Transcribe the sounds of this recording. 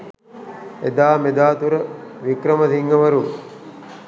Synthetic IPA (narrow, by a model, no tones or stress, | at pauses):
ed̪aːmed̪aːt̪uɾəʋikɾəməsiŋɡəʋɐɾu